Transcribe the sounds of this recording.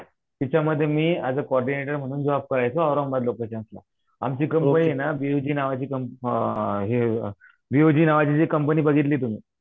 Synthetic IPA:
t̪it͡ɕaməd̪ʱːjemiːad͡zəkoɔɾɖineʈəɾm̤əɽ̃uːnd͡zəʋab̚kəɾajt͡soaɾombad̪lokat͡ɕeəsla̰ | a̰mt͡ɕiːkəmpəniːjenabiud͡ʑiːnaʋat͡ɕiːkəm | ɦe | ʋiud͡ʑiːnaʋat͡ɕit͡ɕikəmpəniːbəɡʱit̪liːt̪um̤ḭː

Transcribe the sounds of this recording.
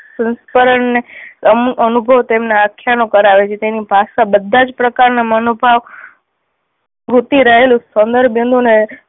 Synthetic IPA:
sə̃nspəɾəɳneəmənubʱəʋt̪emnaakʰːjanokəɾaʋet͡ʃʰet̪enibʱasabəd̪ʱːad͡ʒpɾəkaɾnamənobʱaʋ | ɡʱut̪iɾəɦelũsənd̪əɾbjind̪ʱune

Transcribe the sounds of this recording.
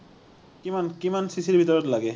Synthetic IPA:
kimankimansisiɾbʱit̪ɔɾɔt̪laɡe

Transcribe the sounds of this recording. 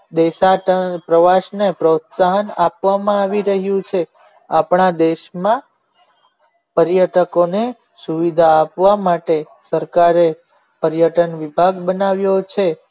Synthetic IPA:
d̪eʃaʈəpɾəʋaʃnepɾot̪saɦənapʋamãaʋiɾəɦjũt͡ʃʰe | apɳad̪eʃmã | pəɾjəʈəkone | suʋid̪ʱaːpʋamaʈe | səɾkaɾe | pəɾjəʈənʋibʱaɡbənaʋjot͡ʃʰe

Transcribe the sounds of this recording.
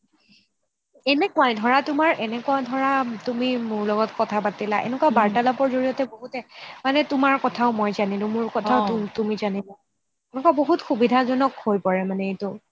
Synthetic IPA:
ɛnɛkʊwajdʱɔɹatʊmaɹʔɛnɛkʊadʱɔɹatumimʊɹlɔɡɔtkɔtʰapatilaʔɛ̰nɛkwabaɹtalɔpɔɹzoɹijɔtɛboɦutɛmanɛtʊmaɹkɔtʰaʊmɔjzanilʊ̃mʊɹkɔtʰaʊtumizanila | ɛnɛkaboɦutxubidʱazɔnɔkhojpɔɹɛmanɛetʊ

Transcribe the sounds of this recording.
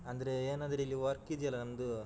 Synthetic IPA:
ɐnd̪ɐɾeeːnɐnd̪ɐɾeilːiʋɐɾkid̪ijɐlːɐnɐmd̪u

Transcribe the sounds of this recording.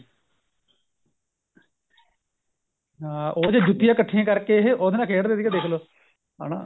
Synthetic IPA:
ãːoːd͡ʒeːd͡ʒʊt̪ːɪjãːkəʈʰːɪjãːkəɾkeɦoːd̪eːnãːkʰeːɽd̪eːd̪ikaːd̪eːkʰloː | a̰ːnã̰ː

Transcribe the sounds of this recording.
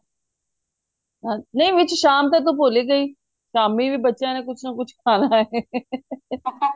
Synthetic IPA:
ɦãnɐĩʋɪt͡ʃʃaːmt̪̬et̪̬opoːleɡəiː | ʃaːmibʱiːbətːʃjãːnẽkʊt͡ʃʰnɐkʊt͡ʃʰkʰaːnaɦeː

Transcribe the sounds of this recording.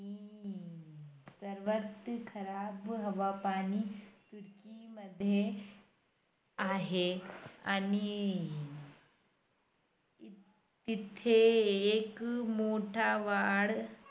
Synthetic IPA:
i | sɐɾʋət̪kʰɐɾaːbɦɐʋapaːniːt̪uɾkimɐd̪ʱːje | aːɦeani | it̪ʰːeːkmoːʈʰaʋaːɽ

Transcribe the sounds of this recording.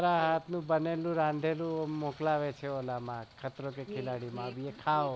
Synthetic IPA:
ɾaɦat̪ʰnũbənelũɾãnd̪ʱelũmoklaʋet͡ʃʰeolamãkʰət̪ɾokekʰɪlaɽimãbiekʰaʋ

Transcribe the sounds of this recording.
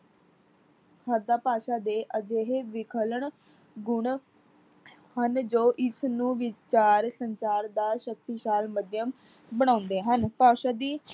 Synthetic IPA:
həd̪aːpaːʃaːd̪eːʔəd͡ʒeːɦeʋɪkʰələɳ | ɡʊɳ | hənd͡ʒoːʔɪsnũːʋɪt͡ʃaːɾsəɲt͡ʃaːɾd̪aːʃək̚t̪iːʃaːlməd̪jəm | bəɽ̃ãːnd̪eːɦənpaːʃaːd̪iː

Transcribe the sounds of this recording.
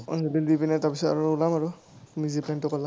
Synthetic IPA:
ɔ̰nɔlildipinɛtaɹpisɔta̰ɹʊulamaɹʊ | miziplɛntʊkɔla

